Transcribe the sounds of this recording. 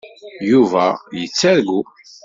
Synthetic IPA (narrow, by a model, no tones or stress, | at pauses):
juvæjət͡sːæɾɡu